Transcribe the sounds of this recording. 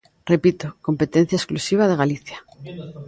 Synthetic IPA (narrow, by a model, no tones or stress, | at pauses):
re̞pit̪oko̞mpe̞t̪ẽ̞n̟θjaesklusiβ̞að̞e̞ɣ̞aliθja